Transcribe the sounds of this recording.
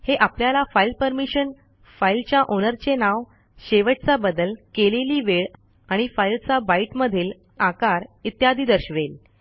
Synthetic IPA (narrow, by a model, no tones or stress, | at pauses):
heʔapljalafailpəɾmiɕən | failt͡ɕjaʔonəɾt͡ɕenaʋ | ɕeʋəʈ̚t͡sabəd̪əlkeleliːʋeɭ | aɽ̃ifailt͡sabaiʈməd̪ʱiːl | akaɾit̪jad̪ʱiːd̪əɾɕʋel